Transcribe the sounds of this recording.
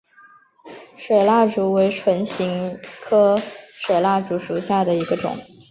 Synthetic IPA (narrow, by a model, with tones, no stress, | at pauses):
ʂwe˨˩ɪla˥˩ʈ͡ʂu˧˥we˧˥ɪʈ͡ʂʰwə˧˥nɕi˧˥ŋkʰɤ˥ʂwe˨˩ɪla˥˩ʈ͡ʂu˧˥ʂu˨˩ɕja˥˩d̪ə˩i˧˥ɡə˧ʈ͡ʂʊ̰˨˩˦ŋ